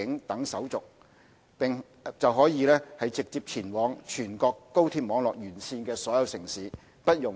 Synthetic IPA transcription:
ɪ˨˥ŋt̪ɐ˨˥ŋsɐ˨˥wt͡sʊ˨k̚ | pɪ˨ŋ | t͡sɐ˨wɦɔː˨˥jiː˨˧lɛː˥hɐ˨jt͡sɪ˨k̚t͡siː˧p̚t͡sʰiː˨˩nwɔː˨˧ŋt͡ʃʰyː˨˩nkɔː˧kːo˥wt̪ʰiː˧p̚mɔː˨˧ŋlɔː˨k̚jyː˨˩nsiː˧nkɛː˧sɔː˨˥jɐ˨˧wsɪ˨˩ŋsiː˨˥ | pɐ˥t̚jʊ˨ŋ

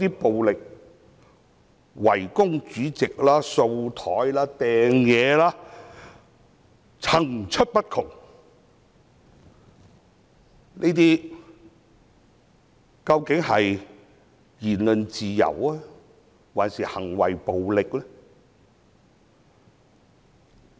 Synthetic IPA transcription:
t̪iː˥po˨wlɪ˨k̚ | wɐ˨˩jkʊ˥ŋt͡ʃyː˨˥t͡sɪ˨k̚laː˥so˧wt̪ʰɔː˨˥jlaː˥t̪ɛː˨ŋjɛː˨˧laː˥ | t͡sʰɐ˨˩ŋt͡ʃʰɵ˥t̚pɐ˥t̚kʰʊ˨˩ŋ | nʔe˥t̪iː˥ | kɐ˧wkɪ˨˥ŋhɐ˨j | jiː˨˩nlɵ˨nt͡siː˨jɐ̰˨˩waː˦˥ | waː˨˩nsiː˨hɐ˨˩ŋwɐ̰˨jpo˨wlɪ˨k̚lɛ˥

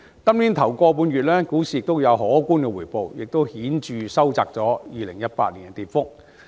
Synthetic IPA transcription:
t̪ɐ˥mliː˨˥nt̪ʰɐ˨˩wkɔː˧p̬uː˨˧njyː˨t̚lɛː˥kuː˨˥siː˨˧jɪ˨k̚t̪o˥wjɐ˨˧wɦɔː˨˥kuː˥nkɛː˧wuː˨˩jpo˨˧wjɪ˨k̚t̪o˥whiː˨˥nt͡ʃyː˨˧sɐ˥wt͡saː˧k̚t͡sɔː˨˥jjiː˨˧lɪ˨˩ŋjɐ˥t̚pa̰ː˧t̚liː˨˩n˥t̪iː˨˩t̚fʊ˥k̚

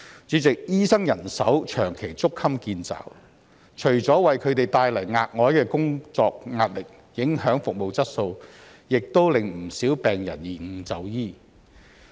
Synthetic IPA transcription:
t͡ʃyː˨˥t͡sɪ˨k̚jiː˥sɐ˥ŋjɐ˨˩nsɐ˨˥wt͡ʃʰœː˨˩ŋkʰe˨˩jt͡sʊ˥kʰːɐ˥mkiː˧nt͡sa̰ː˨˩w | t͡ʃʰɵ˨˩ɥt͡sɔː˨˥wɐ˨jkʰɵ˨˧ɥt̪e˨jt̪aː˧jlɐ˨˩jŋaː˧t̚ŋɔː˨˥jkɛː˧kʊ˥ŋt͡sɔː˧k̚ŋaː˧t̚lɪ˨k̚ | jɪ˨˥ŋɦœː˨˥ŋfʊ˨k̚mo˨wt͡sɐ˥t̚so˧w | jɪ˨k̚t̪o˥wlɪ˨ŋm̩˨˩siː˨˥wpɛː˨ŋjɐ̰˨˩njiː˨˩ŋ̩˨˧t͡sɐ˨˧wjiː˥

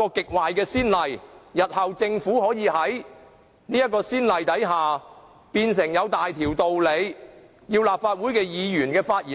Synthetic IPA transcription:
ɔː˧kɪ˨k̚waː˨jkɛː˧siː˥nlɐ˨jjɐ˨t̚hɐ˨wt͡sɪ˧ŋfuː˨˥hɔː˨˥jiː˨˧ɦɐ˨˥j | niː˥jɐ˥t̚kɔː˧siː˥nlɐ˨jt̪ɐ˨˥jɦaː˨ | piː˧ns̬ɪ˨˩ŋjɐ˨˧wt̪aː˨jt̪ʰiː˨˩wt̪o˨wle˨˧j | jiː˧wlaː˨p̚faː˧t̚wuː˨˥jkɛː˧jiː˨˧jyː˨˩nkɛː˧faː˧t̚ʔiː˨

